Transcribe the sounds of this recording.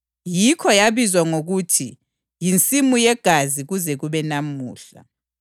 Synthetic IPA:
jikʰɔjaβizwaŋoɣutʰi | jint͡sʼimujɛɡ̥ʱaziɣuzɛɣuβɛnamuːɬa̰

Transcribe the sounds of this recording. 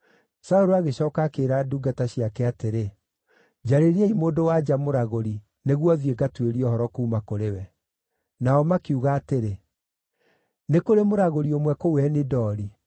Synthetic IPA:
saoɾoaɣeɕɔːkakeɾaduɡataɕiakɛateɾe | d͡ʑaɾeɾiaimoːdowad͡ʑamoɾaɣoɾi | neɣwɔðieɡatweɾiɔhɔɾɔkuːmakoɾewɛ | naɔmakiuɣaːteɾe | nekoɾemoɾaɣoɾiomwɛkowɛnedɔːɾi

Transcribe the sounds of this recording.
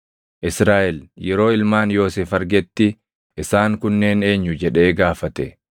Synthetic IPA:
ʔɪsɾaːʔɛljɛɾo̞ːɪlmaːnjo̞ːseːfɐɾɡɛt̪ːɪ | ʔɪsaːŋkʊnːe̞ːne̞ːɲːʊd͡ʒɛᶑe̞ːɡaːfɐt̪ɛ

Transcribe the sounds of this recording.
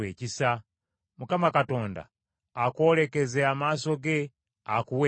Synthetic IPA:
eːcisa | mukamakato̞ːnda̰ː | ko̞ːle̞ke̞zeamaːso̞ɡe̞ | akuwe

